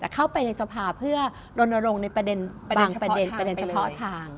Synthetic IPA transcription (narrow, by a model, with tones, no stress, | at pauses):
t̪ɛː˨˩kʰa˥˩wpa˧jna˧jsa˧pʰaː˧˩pʰɯ˥˩ɐ | ɾo˧nːa˧ɾo˧ŋna˧jpɾa˧de˧n | baː˧ŋpɾa˧de˧npa˧de˧nt͡ɕʰa˧pʰɔ˦˥t̪ʰaː˧ŋ